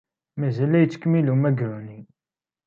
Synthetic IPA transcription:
mæzælæjət͡sːə̥kəmilumæɡɾuni

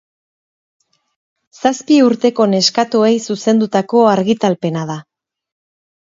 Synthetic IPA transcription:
saspiuɾt̪e̞ko̞ne̞skat̪ue̞jsuse̞nd̪ut̪ako̞aɾɣit̪alpe̞naða

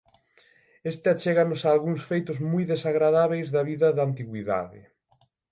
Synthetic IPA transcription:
est̪ɪat͡ʃɛɣanʊsaːlɣuŋsfejt̪ʊzmujðesaɣɾaðaβejzðɐβiðɐðant̪iɣwiða̰ðɪ̰

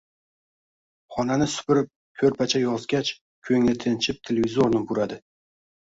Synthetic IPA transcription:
χɒnanɪsʊ̥pɪɾɪp̚ | kʲʰɵɾpʰat͡ʃʰajɒzɡʲat͡ʃ | kʲʰɵŋlɪt̪ʰɪnt͡ʃʰɪp̚t̪ʰelʲevʲizoɾnɪbʊɾad̪ɪ

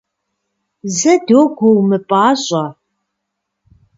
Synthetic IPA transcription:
zɐdoːɡʷowmɨpʼaːɕʼɐ

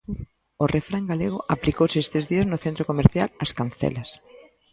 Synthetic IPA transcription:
ʊrefɾaŋɡaleɣʊʔaplikowsest̪ezðiɐznʊθent̪ɾokomeɾθjalɐskanθɛ̰lɐs

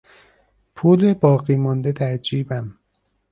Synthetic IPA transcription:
pʰuːlebɒːɣiːmɒnd̪e̞d̪æɾd͡ʒiːbæm

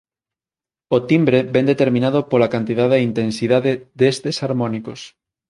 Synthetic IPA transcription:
ot̪imbɾebɛnd̪et̪eɾmĩnað̞opolakant̪iðaðeint̪ensiðaðeðest̪esaɾmɔnikos

